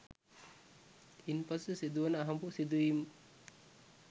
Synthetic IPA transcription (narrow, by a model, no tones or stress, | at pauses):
inpasəsid̪uʋɐnəaɦɐmbusid̪uʋim